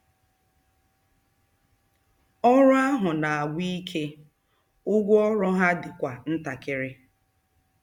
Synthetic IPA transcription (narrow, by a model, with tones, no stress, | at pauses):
ɔ˦ɾʊ˦a˦ɦʊ˨na˨a˨ɡʷi˦i˦kʰe˦ | ʊ˦ɡʷʊ˦ɔ˦ɾɔ˦ɦa˦dɪ˨kʷa˨n̩˦ta˨kɪ˦ɾɪ˦